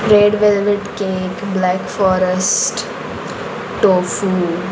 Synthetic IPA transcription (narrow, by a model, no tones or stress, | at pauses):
ɾeːɖʋɛlʋɪʈkeːkblɛːkfɔːɾəsʈ | ʈoːfuː